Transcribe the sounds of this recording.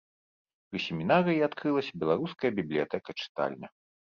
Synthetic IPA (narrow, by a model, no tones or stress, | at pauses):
pɾɨsʲɛmʲinaɾɨjiat̪kɾɨlˠɐsʲɐbʲɛlˠaɾuskɐjɐbʲiblʲijat̪ɛkɐt͡ʂɨ̥t̪a̰lʲnʲɐ